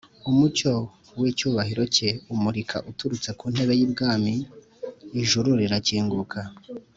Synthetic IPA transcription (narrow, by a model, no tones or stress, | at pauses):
umut͡ʃo̞ | wiːcuːβahiɾo̞ceumuɾikʰa̰ʔutuɾut͡se̞kuːn̥he̞βe̞jibɡaːmiː | ʒuɾuɾiɾaciːŋɡukʰa